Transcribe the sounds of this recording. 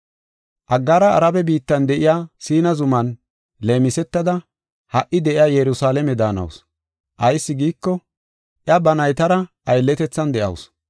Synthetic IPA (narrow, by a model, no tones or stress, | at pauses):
ʔɐɡːaːɾɐːɾɐbɛbiːt̪ːɐnd̪ɛʔɪjaːsiːnɐzʊmɐn | leːmɪsɛt̪ːɐd̪ɐ | hɐʔɪd̪ɛʔɪjaːjɛɾʊsaːlɛmɛd̪aːnɐ̰ws | ʔɐjsːɪɡiːkːɔ | ʔjɐbɐnɐjt̪ɐɾɐʔɐjlːɛt̪ɛt͡sːɐnd̪ɛʔɐ̰ws